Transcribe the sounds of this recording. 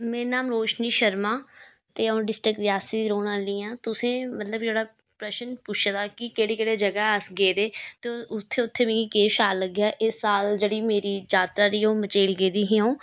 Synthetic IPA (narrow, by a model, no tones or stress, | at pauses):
meːɾenaːmɾoːʃniːʃəɾmãː | t̪eːõːɖɪsʈɾɪkɾɪjaːsiːd̪ɾoːɽ̃ãːliːãːt̪ʊsẽːmət̪ləbd͡ʒeːɽaː | pɾəʃənpʊʃʰd̪aːkɪkeːɽeːkeːɽeːd͡ʒəɡaːəsɡeːd̪eːt̪eʊt̪ʰːeːʊt̪ʰːeːmẽːɡiːkeːʃaːləɡjaːʔɪsːaːld͡ʒeːɽiːmeːɾiːd͡ʒaːt̪ɾaːɾiːõːmət͡ʃeːlɡeːd̪iːɦĩːõː